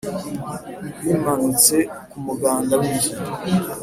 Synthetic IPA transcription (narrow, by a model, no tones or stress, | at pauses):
jimanut͡sekumuɡaːndawizi